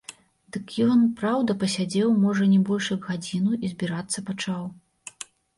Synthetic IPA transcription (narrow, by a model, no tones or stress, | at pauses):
d̪ɨkjɔnpɾawd̪ɐpɐsʲad͡zʲɛwmɔʐɐnʲɛbɔlʲʂjɐɡɣad͡zʲinuʔizʲbʲiɾat̪sːɐpat͡ʂaw